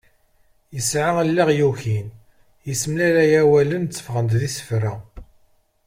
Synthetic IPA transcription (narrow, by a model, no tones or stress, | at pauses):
jəsʕaəlːiʁjuçin | jəsəmlæɾæjæwælənt͡sːə̥fʁənd̪ðisə̥fɾæ